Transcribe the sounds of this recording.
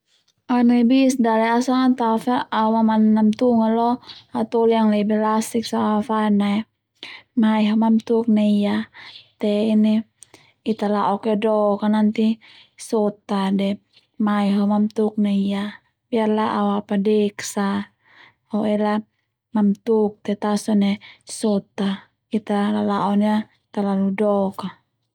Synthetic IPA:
anabisdalɛasaŋat̪afaːwamanːamt̪uŋalɔat̪ɔlijaŋlɛbɛlasik̚saafanaj | maiɦomamt̪uk̚naijat̪ɛini | it̪alaɔkɛdɔkanant̪i | sɔt̪adɛ | maiɦomamt̪uk̚naija | biarlaʔawapadeksa | oɛla | mamt̪uk̚t̪ɛt̪asɔnesɔt̪a | it̪alalaʔɔna | it̪alaludɔka

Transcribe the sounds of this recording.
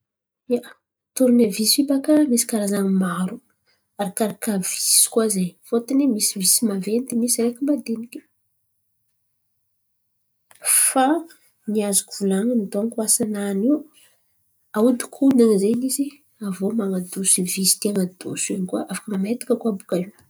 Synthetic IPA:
a | t̪oɾunavisfibakəmisi̥kaɾazaŋimaɾu | aɾakaɾakavisi̥kwazejfot̪animisivisimavenid̪imisiɾekʲumbad̪enikʲi̥ | fa | niazu̥kuv̥ulaŋinit̪oaŋkuasananiw | aud̪i̥kʰunaŋizenizi | avomaŋad̪usivisi̥t̪eŋəd̪̥o̰senikaʔafḁkəmamet̪i̥kəkuabukaiw

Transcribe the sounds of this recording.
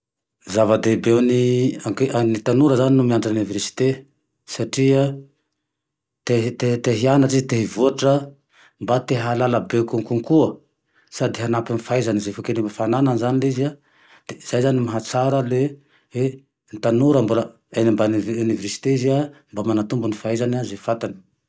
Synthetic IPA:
zavad̪ebewniaŋkeʔanit̪anuɾəzaninumiaɳɖ͡ʐanuniveɾsi̥t̪e | saʈ͡ʂiə | t̪et̪et̪eɦianaʈ͡ʂizit̪eɦivuaʈ͡ʂə | mbat̪eɦalalabekuŋkuŋkuə | sad̪iɦanapinifajzanizefokenimbafanananzaniliza | d̥̪ez̥ajzanimaɦat͡saɾəle | we | nit̪anuɾəmbula | enimbanuniveɾsi̥t̪eziambamanat̪umbunifajzanazefat̪ani̥

